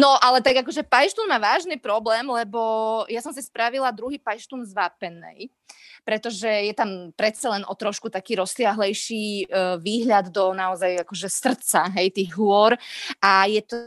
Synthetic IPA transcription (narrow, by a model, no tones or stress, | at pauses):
nɔʔalɛt̪aɡakɔʒɛpajʃt̪unmaːʋaːʒniːpɾɔblɛːmlɛbɔjasɔmsispɾaʋilad̪ɾuɦiːpajʃt̪unzʋaːpɛnːɛ̰j | pɾɛt̪ɔʒɛjɛt̪ampɾɛt̪t͡salɛnʔɔt̪ɾɔʃkut̪akiːɾɔsɪaɦlɛjʃiːʋiːɦʎad̪d̪ɔnaɔzajakɔʒɛsr̩tt͡saɦɛjt̪iːɣɦʊɔɾʔajɛt̪ɔ